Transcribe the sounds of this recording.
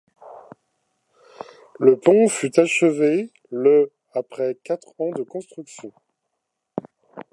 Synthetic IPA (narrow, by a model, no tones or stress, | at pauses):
ləpɔ̃fyt̪aʃəve | lə | apχɛkʲat̪χɑ̃d̪əkɔ̃st̪χyksjɔ̃